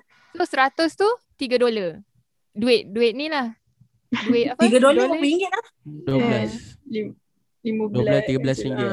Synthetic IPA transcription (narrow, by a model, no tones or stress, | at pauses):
lʊsəɾat̪ʊst̪ut̪iɡadola | duɪt̪̚duɪʔ̪̚nĩlah | duɪt̪̚atiɡadolaapiŋɡɪt̪̚lah | duəblasli | liməbduəblast̪iɡablaspiŋɡɪ